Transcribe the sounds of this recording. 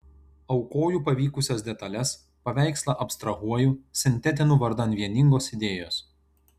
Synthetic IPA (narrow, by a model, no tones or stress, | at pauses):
ɒʊkoːjuːpɐʋʲiːkʊsʲɛs̬d̪ʲɛt̪ɐlʲɛs | pɐʋʲæˑɪkslˠɐʔɐpʲst̪ɾɐɦuɔjusʲɪnʲt̪ʲɛt̪̬ʲɪnuːʋɐɾd̪ɐnʲʋʲiɛnʲɪŋɡoːsɪd̪ʲeːjoːs